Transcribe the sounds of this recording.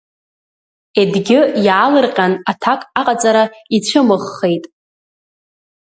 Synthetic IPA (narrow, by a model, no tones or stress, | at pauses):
edɡʲɪjaːlɨrqʲʼanatʰakʼaqʼat͡sʼaɾait͡ɕʷʰɨmɨχːe̞jtʼ